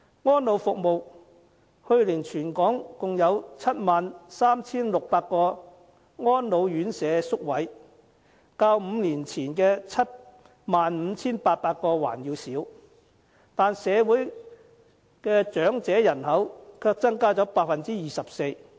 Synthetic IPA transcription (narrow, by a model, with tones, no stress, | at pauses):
ŋɔː˥nlo˨˧wfʊ˨k̚mo˨w | hɵ˧ɥlɪ˨˩ŋt͡ʃʰyː˨˩nkɔː˨˥ŋkʊ˨ŋjɐ˨˧wt͡sʰɐ˥t̚maː˨nsaː˥mt͡sʰiː˥nlʊ˨k̚paː˧t̚kɔː˧ | ŋɔː˥nlo˨˧wjyː˨˥nsɛː˨˧sʊ˥k̚wɐ˨˥j | kaː˧wm̩ː˨˧liː˨˩nt͡sʰiː˨˩nkɛː˧t͡sʰɐ˥t̚ | maː˨nm̩ː˨˧t͡sʰiː˥npaː˧t̚paː˧t̚kɔː˧wa̰ː˨˩njiː˨˧wsiː˨˥w | t̪aː˨nsɛː˨˧wuː˨˥j | kɛː˧t͡ʃœː˨˥ŋt͡sɛː˨˥jɐ˨˩nhɐ˨˥wkʰœː˧k̚t͡sɐ˥ŋkaː˥t͡sɔː˨˥paː˧t̚fɐ˨nt͡siː˥jiː˨sɐ˨p̚se˧j